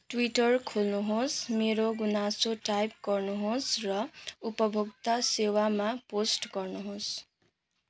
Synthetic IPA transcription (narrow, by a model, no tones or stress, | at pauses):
ʈwiʈʌrkʰolnuɦosmeɾoɡunasoʈajp̚ɡʌrnuɦosrʌupʌbʱuk̚t̪ʌsewamaposʈɡʌrnuɦos